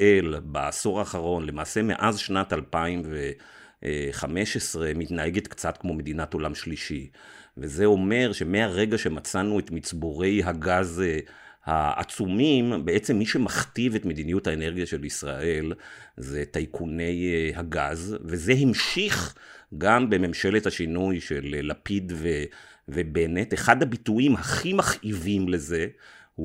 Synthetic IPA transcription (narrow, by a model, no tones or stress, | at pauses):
ʔelbaasoʁaːχaʁo̞nle̞maːse̞mḛʔazʃnatalpaimve | χame̞ʃesʁe̞mitnae̞ɡetkt͡satkmo̞me̞d̪inato̞lamʃliʃi | veze̞o̞me̞ʁʃe̞me̞aʁe̞ɡaʃe̞mat͡sanuetmit͡sboʁe̞jɦaɡaz | ha̰a̰t͡sumimbeet͡se̞mːiʃe̞maχtive̞tme̞d̪inijuthaeneʁɡijaʃe̞lisʁa̰ʔe̞lzetajkʰune̞jhaɡazve̞ze̞ɦimʃiχɡambe̞me̞mʃe̞le̞thaʃinujʃe̞llapidvevebe̞ne̞teχadhabituʔimhaχimaχʔivimle̞ze̞hu